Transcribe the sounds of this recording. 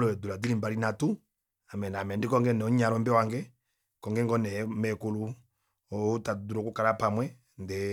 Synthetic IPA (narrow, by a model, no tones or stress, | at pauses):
lɔɛduladilimbaɾinatu | amɛnamɛndikɔŋɡɛnɛɔɲaɾɔmbɛwaŋɡɛ | kɔŋɡɛŋɡɔnɛmɛkulu | ɔutaduɾɔkukaɾapamwɛ | ndɛ